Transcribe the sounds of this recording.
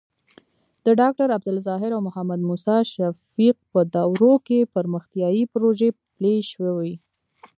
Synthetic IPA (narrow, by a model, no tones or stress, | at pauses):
d̪̥əɖɑk̚ʈaɾab̚d̪ʊlzɑɦɪɾawmʊhamad̪musɑʃafiq̚pəd̪ɑwɾokepəɾməxt̪jɑjipɾoʒepleʃwewi